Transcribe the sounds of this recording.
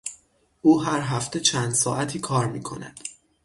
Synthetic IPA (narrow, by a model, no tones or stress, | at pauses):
ʔuːɦæɾɦæft̪ʰe̞t͡ʃʰænd̪̥sɒːʔæt̪ʰiːkʰɒːɾmiːkʰo̞̰næ̰d̪̥